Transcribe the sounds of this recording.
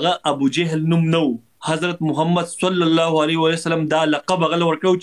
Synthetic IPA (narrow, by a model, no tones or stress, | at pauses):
ɣaʔabud͡ʒaɦɪlnumnawu | hazɾat̪̚mʊɦamːad̪salːalːɑɦoalewalajsalamd̪ɑːlɑqabaɣalawəɾkaɽw